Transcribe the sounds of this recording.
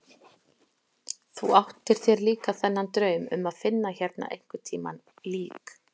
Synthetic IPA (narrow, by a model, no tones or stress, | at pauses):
θuawht̪ɪɾ̥θjɛɾliːkaθɛnːant̪ɾœːɥmʏ̰maðfɪnːaçɛɾt̪na̰ʔḛjŋ̥kʏt̪ʰiːma̰n | liːk